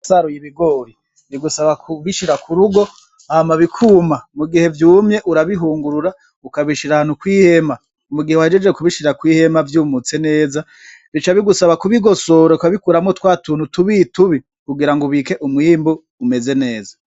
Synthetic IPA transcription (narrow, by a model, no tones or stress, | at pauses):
saɾujiβiɡoɾi | βiɡusaβakuβiʃiɾakʰuɾuɡo̞ | amaβikʰuːmamuɡihe̞vjuːmɲe̞ʔuɾaβiɦuːŋɡuɾuɾa | ukaβiʃiɾahanukwiːhe̞ma | umuɡihewaed͡ʒed͡ʒekuβiʃiɾakwiːhe̞mavjuːmut͡se̞ne̞ːza | βit͡ʃaβiɡusaβakuβiɡo̞so̞ɾoukaβikuɾamŋotwaːtuːnutuβituβi | kuɡiɾaŋɡoβike̞ʔumwiːmbuː | me̞ze̞ne̞ːza